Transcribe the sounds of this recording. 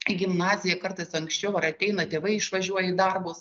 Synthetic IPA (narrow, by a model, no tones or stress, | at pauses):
ɡʲɪmnɑːzʲɪjɛkɐɾt̪ɐɪsɐŋksʲt͡ʃʲɛʊɐɾɐt̪ʲɛɪnɐt̪ʲeːʋɐɪɪʃʋɐʒʲuɔjɛɪd̪ɐrbʊs